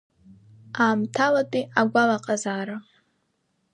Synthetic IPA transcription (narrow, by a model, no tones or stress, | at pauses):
aːmtʰalatʼiaɡʷalaqʼazaːɾa